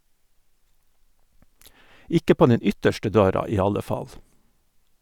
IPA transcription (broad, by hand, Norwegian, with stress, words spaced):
ˈɪkə ˈpoː ˈnɛn ˈʏtəʃʈə ˈdøːɾɑ ˈiː ˈɑlə ˈfɑl